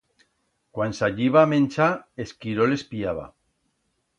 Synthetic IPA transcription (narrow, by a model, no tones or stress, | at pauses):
kwansaʎiβaːmẽnʲt͡ʃaeskiɾole̞spiaβ̞a̰